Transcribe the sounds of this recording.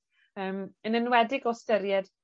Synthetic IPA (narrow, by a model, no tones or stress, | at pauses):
əːmənənwɛdɪɡɔstəɾjɛd̥